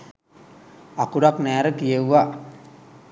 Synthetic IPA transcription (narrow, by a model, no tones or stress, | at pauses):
akuɽaknæːɾəkijewʋa